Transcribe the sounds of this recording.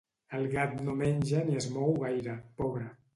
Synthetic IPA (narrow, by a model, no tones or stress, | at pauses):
əlˠɣat̪nomenʲʒaniezmɔwɣajɾapɔβɾə